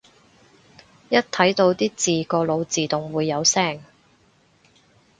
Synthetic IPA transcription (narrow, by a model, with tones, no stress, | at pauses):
jɐ˥t̚t̪ʰɐ˨˥jt̪o˧wt̪iː˥t͡siː˨kɔː˧lo˨˧wt͡siː˨t̪ʊ˨˩ŋwuː˨˧jːɐ˨˧wsɛː˥˩ŋ